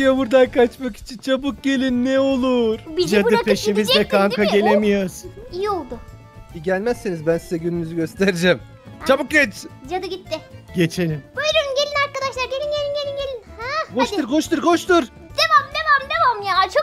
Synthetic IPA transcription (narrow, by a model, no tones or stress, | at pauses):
jabuɾd̪ajkat͡ʃmaki̥t͡ʃʰint͡ʃʰabuk̚ɟe̞lʲinːɛo̞lˠuɾ̥bd͡ʒaɯpʰeʃimizlɛkʰaŋkʰaɟe̞lʲemijasijio̞lˠd̪ʊ | iɟælʲmæsːenizbænsizɛɟynynyzyɟø̞st̪ʰeɾid͡ʒɛm | t͡ʃʰabuk̚ɟɛt͡ʃd͡ʒad̪ɯɟit̪ːɪɟe̞t͡ʃʰe̞lʲimbøjɾeɾumɟe̞lʲinaɾkad̪aʃlˠaɾɟelʲinɟe̞lʲinɟelʲinɟe̞lʲinhɛkoʃt̪ɯɾkʰoʃt̪ɯɾkoʃt̪uɾ | d̪̥emamd̪emamd̪e̞mamjaːt͡ʃʰo